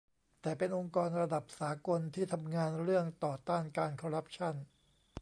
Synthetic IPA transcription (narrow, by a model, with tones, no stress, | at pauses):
t̪ɛː˨˩pe˧nʔo˧ŋkɔː˧nɾa˧da˨˩p̚saː˩˦ko˧nt̪ʰiː˥˩t̪ʰa˧mŋaː˧nɾɯ˥˩əŋt̪ɔː˨˩t̪aː˥˩nkaː˧nkʰɔː˧ɾa˦˥p̚t͡ɕʰa˥˩n